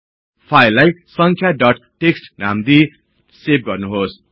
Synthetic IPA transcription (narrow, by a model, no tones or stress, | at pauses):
pʰajlajsʌŋkʰjaɖʌʈʈeksʈnamd̪i | sep̚ɡʌrnuɦos